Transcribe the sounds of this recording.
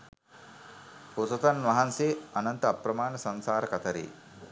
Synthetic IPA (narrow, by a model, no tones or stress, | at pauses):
posɐt̪ɐnʋɐɦanseɐnɐnt̪ɐɐpɾɐmaːnɐsɐnsaːɾɐkɐt̪ʰɐɾḭ